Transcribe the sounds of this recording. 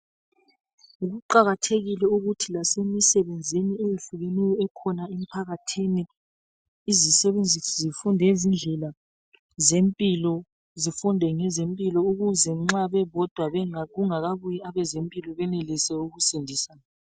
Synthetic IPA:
uɣuǃaɣatʰeɣilɛuɣutʰilasemisɛβend͡zʱiniejiɬuɣenijɔɛkʰɔnaem̩pʰaɣatʰiniː | zisɛβend͡zʱisɔzifundʱɛzind͡ɮʱɛla | zempʼilɔ | zifundʱɛŋɛzempʼilɔuɣuzɛŋ͡ǁaβɛβɔd̥ʱwaβɛaɣuŋaɣaβujiaβɛzempʼilɔβɛnelisɛuɣusindʱisaːna

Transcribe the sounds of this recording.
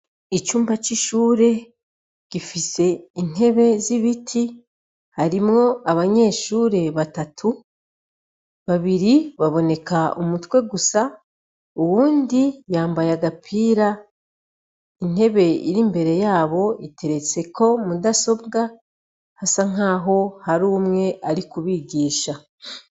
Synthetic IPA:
it͡ʃuːmbat͡ʃiʃuːɾe̞ | ɟ̥ifise̞in̥e̞βe̞ziβitʰi | haɾimŋo̞aβaɲe̞ːʃuːɾe̞βatatʰu | βaβiɾiβaβo̞ne̞kaumutwe̞ɡusa | uwuːndijaːmbajaɡapʰiːɾa | in̥e̞βe̞ḭɾimbe̞ɾe̞jaːβo̞ite̞ɾe̞t͡se̞kʰo̞mudaso̞bɡa | hasaŋ̥aːɦo̞haɾuːmŋe̞ʔaɾikuβiɡiːʃa

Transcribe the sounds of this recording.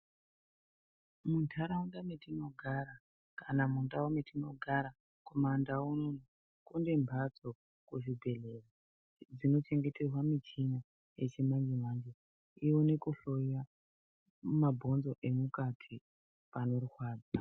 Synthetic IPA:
muntʰaɾaundametino̞ɡʱaɾa | kanamundaometino̞ɡʱaɾa | komandaunon | kundembʱad͡zo̞ | kuʐibʱe̞le̞ra | d͡zino̞t͡ʃe̞ŋɡe̞te̞rwamit͡ʃiɲa | je̞t͡ʃimaɲd͡ʒimaɲd͡ʒe | iwone̞kuɬo̞ja | mabʱo̞nzo̞ʔe̞mukatʰi | pano̞ruxwaːd͡za

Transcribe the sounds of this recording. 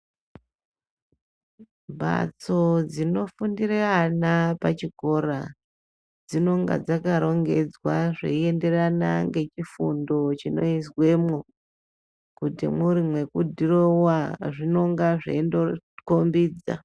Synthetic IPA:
bʱa̰t͡so̞d͡zino̞fundirianapat͡ʃiko̞ɾa | d͡zino̞ŋɡa̰d͡zakaɾo̞ŋɡe̞d͡zwaʐḛie̞nde̞rana̰ŋɡe̞t͡ʃifundo̞t͡ʃino̞iswe̞mo | kutimuɾimwe̞kudʱiro̞waʐino̞ŋɡaʐḛndokombiːd͡za̰

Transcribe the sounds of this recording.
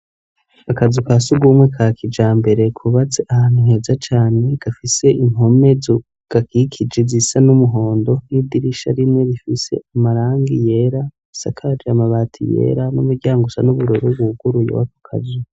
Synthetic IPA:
akazukasuɡuːmwe̞kʰakʰid͡ʒaːmbe̞ɾe̞kʰuβat͡seʔahaːn̥huhe̞ːzat͡ʃaːne̞ɡ̥afise̞iŋ̥ho̞me̞zo | ɡ̥akikʰid͡ʒezisanumuɦo̞ːndo̞widiɾiʃaɾimŋe̞ɾifise̞̰amaɾaːŋɡije̞ɾa | sa̰kʰaɾamaβaːtʰḭjḛɾanumuɾɟaːŋɡusanuβuɾoɾoβuɡuɾujo̰waku̥kʰa̰zu

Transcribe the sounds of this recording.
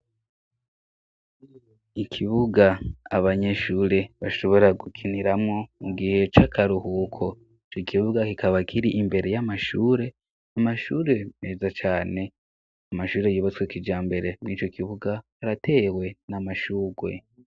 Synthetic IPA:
ikʰiβuɡaːβaɲe̞ʃuːɾe̞βaʃo̞βo̞ɾaɡukʰiniɾamŋo̞uɡihe̞t͡ʃakʰaɾuhuːkʰo̞ | it͡ʃokiβuɡakikʰaβakʰiɾiʔimbe̞ɾe̞jamaʃuːɾe̞ | amaʃuːɾe̞me̞ːzat͡ʃaːne̞ | amaʃuːɾe̞juːβat͡swekid͡ʒaːmbe̞ɾe̞mniːt͡ʃo̞kiβuɡahaɾate̞ːwe̞namaʃuːɡwe̞̰

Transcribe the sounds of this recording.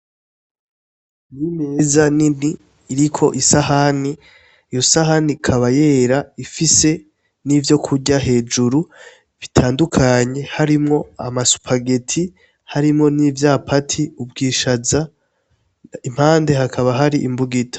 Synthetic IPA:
nimezaniniː | ɾikʰo̞ʔisahani | ijo̞saɦanikʰaβaje̞ɾaifise̞ | nivjo̞kʰuɟaɦe̞ːd͡ʒuɾu | βitʰaːndukʰaɲe̞haɾimŋo̞a̰masu̥pʰaɡetʰi | haɾimŋo̞nivjaːpʰatʰiub̚ɡiːʃaza | im̥haːnde̞hakʰaβaɦaɾiʔimbuɡitʰo̥

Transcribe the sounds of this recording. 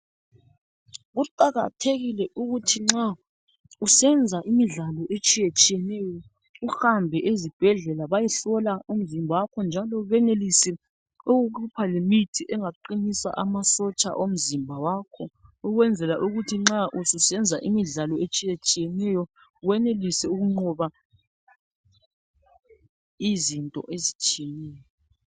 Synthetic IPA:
ɣuǃaɣa̰tʰeɣilɛʔuɣutʰiŋ͡ǁa | usɛnd͡zʱaʔimiɮalɔʔet͡ʃʼijet͡ʃʼijɛnɛjɔ | uhambʱɛʔezib̥ʱɛɮɛlaβajiɬɔlaum̩zimbʱawakʰɔnd͡ʒʱalɔβɛnelisi | oɣukʰupʰalemitʰiʔɛŋaǃinisa̰ʔamasɔt͡ʃʼa̰ʔom̩zimbʱawaːkʰɔuɣwɛnd͡zʱɛlaʔuɣutʰiŋ͡ǁaʔususɛnd͡zʱaʔimiɮalɔet͡ʃʼijet͡ʃʼijɛnɛjɔ | ɣwɛnelisɛuɣuŋ͡ǃɔβa | izintʼɔ̰ʔezit͡ʃʼijɛnɛːjɔ

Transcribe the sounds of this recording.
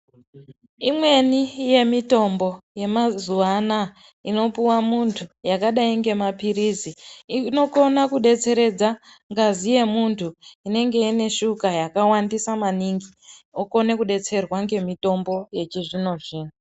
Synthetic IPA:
imwe̞nije̞mito̞mbo̞je̞mazuʋana | ino̞puwamuntʰujakaɗaiŋɡe̞mapiɾiziino̞ko̞nakuɗe̞t͡se̞ɾe̞d͡za | ŋɡazije̞muntʰuine̞ŋɡe̞ine̞ʃukajakawandisamaniŋɡi | oko̞ne̞kuɗe̞t͡se̞rwaŋɡe̞mito̞mbo̞je̞t͡ʃiʐino̞ʐiːno

